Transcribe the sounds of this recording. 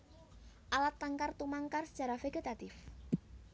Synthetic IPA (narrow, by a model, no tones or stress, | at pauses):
ʔalat̪ːaŋkart̪umaŋkarsə̥dd͡ʒʒ̥a̤ɾafeɡet̪at̪ɪf